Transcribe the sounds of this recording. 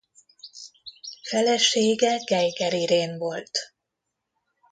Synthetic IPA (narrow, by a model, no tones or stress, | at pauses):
fɛlɛʃeːɡɛɡɛjɡɛɾiɾeːnvo̞lt̪